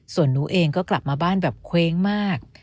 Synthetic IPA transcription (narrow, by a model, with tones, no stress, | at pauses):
su˨˩ənːuː˦˥ʔeː˧ŋkɔː˥˩kla˨˩p̚maː˧baː˥˩nbɛː˨˩p̚kʰweː˦˥ŋmaː˥˩k̚